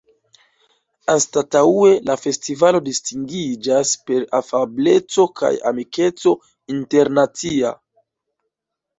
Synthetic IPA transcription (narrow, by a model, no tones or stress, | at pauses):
astataue̞lafe̞stivalo̞distiŋɡid͡ʒaspe̞ɾafable̞t͡so̞kʰa̰ja̰mike̞t͡so̞ | inte̞ɾnat͡sia̰